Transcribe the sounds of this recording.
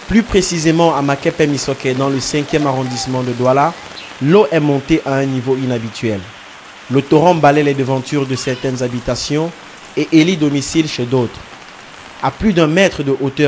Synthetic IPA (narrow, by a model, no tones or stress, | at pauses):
plypχesizemɑ̃amakɛpɛmisɔkɛd̪ɑ̃ləsɛ̃kʲjɛmaʁɔ̃d̪ismɑ̃d̪əd̪wala | loʔɛmɔ̃t̪eʔaɛ̃nivoinabit̪ɥɛl | lot̪oʁɔ̃balɛlɛd̪əvɑ̃t̪yʁd̪əsɛʁt̪ɛnzabit̪asjɔ̃ | eʔelid̪ɔmisilʃed̪ot̪χ | aplyd̪ɛ̃mɛt̪χəd̪əʔot̪œ